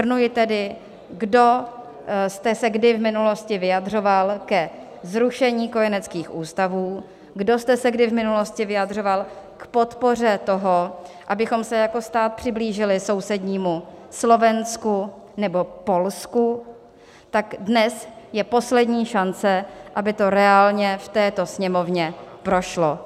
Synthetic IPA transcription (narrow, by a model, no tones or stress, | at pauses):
ɾnujɪt̪ɛdɪ | ɡdo̞ | st̪ɛsɛɡdɪvmɪnulo̞scɪvɪjadr̝o̞valkɛ | zɾuʃɛɲiːko̞jɛnɛt͡skiːxʔuːst̪avuː | ɡdo̞st̪ɛsɛɡdɪvmɪnulo̞scɪvɪjad̪r̝o̞val | kpo̞t̪po̞r̝ɛt̪o̞ɦoʔabɪxo̞msɛjako̞st̪aːt̪̚pr̥ɪbliːʒɪlɪso̞wsɛdɲiːmuslo̞vɛnsku | nɛbo̞po̞lsku | t̪akdnɛsjɛpo̞slɛdɲiːʃant͡sɛʔabɪt̪o̞ɾɛaːlɲɛft̪ɛːt̪o̞sɲɛmo̞vɲɛpɾo̞ʃlo̞